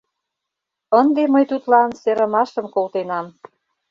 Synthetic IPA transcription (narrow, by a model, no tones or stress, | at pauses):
ənd̪eməjt̪ut̪lɑnseɾə̆mɑʃə̆mkolt̪enɑm